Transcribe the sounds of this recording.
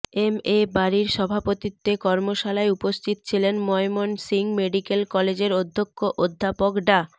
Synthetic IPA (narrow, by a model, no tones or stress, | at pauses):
emebaɾiɾʃɔbʱapot̪it̪ːekɔɾmoʃalaeupost̪ʰit̪o̥t͡ɕʰilenmɔemonsiŋmeɖikelkɔled͡ʑeɾod̪ʱːokʰːoʔod̪ʱːapokɖa